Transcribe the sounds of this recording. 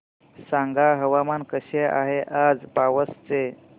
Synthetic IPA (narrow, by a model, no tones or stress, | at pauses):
sãŋɡaɦəʋamankəɕeʔa̰ɦeʔad͡zpaʋəst͡se